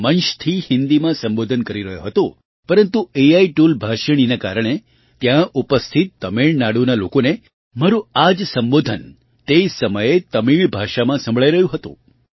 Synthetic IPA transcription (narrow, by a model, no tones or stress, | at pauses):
mənʃt̪ʰihɪnd̪imãsəmbod̪ʱənkəɾiɾəɦjoɦət̪o | pəɾənt̪ueaiʈulbʱaʃəɽ̃inaka̰ɾəɽ̃e | t̪jãʔupəst̪ʰit̪ːəmeɭnaɽunalokone | maɾuad͡ʒsəmbod̪ʱən | t̪esəməjet̪əmiɭbʱaʃamãsə̃mbʱɭaiɾəɦjũɦət̪ṵ̃